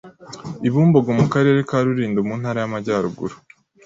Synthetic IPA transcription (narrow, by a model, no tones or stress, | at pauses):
iβuːmbo̞ɡo̞mukaɾe̞ːɾe̞kaːɾuɾiːndomuːnhaːɾajamaɟaːɾuɡṵɾu